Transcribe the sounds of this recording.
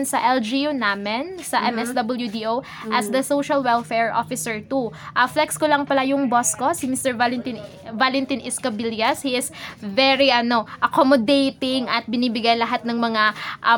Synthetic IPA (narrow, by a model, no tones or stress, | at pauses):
nsɐʔɛld͡ʒiunamɛnsɐʔɛmɛsd̪ɐbɐljud̪iʔow | ʔɐsd̪ɐsowʃɐlwɛlfɛɹʔo̰fɪsɛɹt̪uʔɐflɛkskolɐŋpɐlajʊŋboskosɪmist̪ɛɹvalɛnt̪ɪn | valɛnt̪inʔɪskɐbiljɐshiʔɪsvɛɹiʔɐno̞ʔɐkomod̪ejt̪ɪŋʔɐt̪̚bɪniːbɪɡajlɐɦat̪̚nɐŋmɐŋaʔɐ